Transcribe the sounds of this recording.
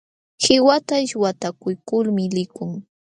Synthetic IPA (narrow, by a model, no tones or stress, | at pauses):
hɪwat̪aɪʃwat̪akʊjkʊlmɪlɪkʊŋ